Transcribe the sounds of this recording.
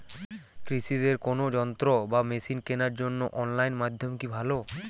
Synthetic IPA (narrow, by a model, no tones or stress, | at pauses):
kɾiʃid̪eɾkonod͡ʑɔnt̪ɾobamesinkenaɾd͡ʑonːoʔɔnlajnmad̪ʱːomkibʱalo